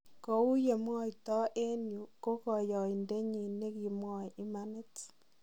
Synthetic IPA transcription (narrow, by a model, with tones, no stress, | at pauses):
ko˦u˦je˨mwɔ˦i˨tɔ˦ʔe˦nju˨ko˦kɔ˨jɔ˨i˨nde˦ɲi˨ne˦ki˨mwɔ˨i˦ma˦ne˦t